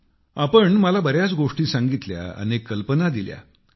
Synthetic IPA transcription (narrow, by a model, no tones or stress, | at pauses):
apəɳməlabəɾjat͡sɡoʂʈiːsãŋɡit̪lja̰ə̰nekːəlpənad̪ilja̰